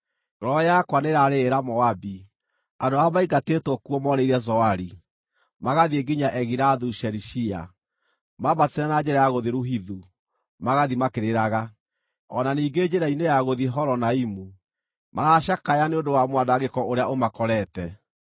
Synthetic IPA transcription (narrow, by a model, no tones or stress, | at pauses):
ɾɔjakwaneɾaɾeːɾamɔabi | adoamaiɡatetwɔkuɔmɔɾeiɾɛzɔaɾi | maɣaðieɡiɲaʔɛɣiɾaðuʃɛɾiʃia̰ | maβateɾanad͡ʒɛɾajaɣoðeɾuɦiðu | maɣaðimakeɾeɾaɣa | ɔnaniːɡed͡ʑeɾainejaɣoðiɦɔɾɔnaimu | maɾaʃakajaneondowamwandaɣekɔoɾeaʔomakɔɾɛtɛ